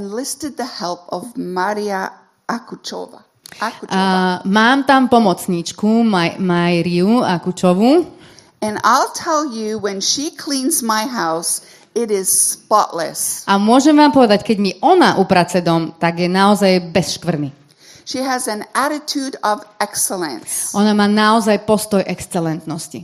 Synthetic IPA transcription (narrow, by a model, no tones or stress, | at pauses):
nlɪstɨd̪̚ðɨhɛlˠpʌvmaɾiə | ʔakut͡ʃo̰və̰ | maːmt̪ampɔmɔt͡sɲiːt͡ʃkummajɾiuakut͡ʃɔʋu | ɨ̃na̰ɪlˠtʰɛlˠjɨwə̃nʃikʰl̥ĩnzmaɪɦaʊs | ɪɾɪz̥spɑ̰ʔlə̰sʔamʊɔʒɛmʋaːmpɔʋɛd̪ackɛɟmiʔɔnaʔupɾat͡sɛd̪ɔmt̪aɡjɛnaɔzajbɛsʃkʋr̩ni | ʃiɨzɨ̃næɾɨtʰʉɾʌvɛksl̩ˠə̰̃nsʔɔnamaːnaɔzajpɔst̪ɔjʔɛkst͡sɛlɛnt̪nɔsci